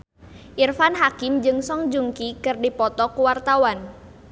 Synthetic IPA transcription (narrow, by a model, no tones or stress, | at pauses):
ʔirfanɦakimd͡ʒɨŋsɔŋd͡ʒuŋkikɨrdipɔt̪ɔkuwart̪awan